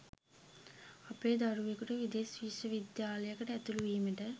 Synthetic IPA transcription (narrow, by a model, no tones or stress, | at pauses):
ɐpeːd̪ɐɾuʋekuʈeʋid̪eːsʋiːʂɐʋid̪jaːlɐjɐkːɐʈɛt̪ːuluʋimiʈɐ